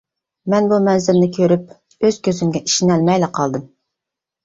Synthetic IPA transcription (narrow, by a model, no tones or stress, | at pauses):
mɛnbumɛnzɪlnɪkʲʰøɾyp̚ | øz̥kʲøzymɡʲɛʔi̥ʃinɛlmɛjlɪqʰɑlˠd̪ɨm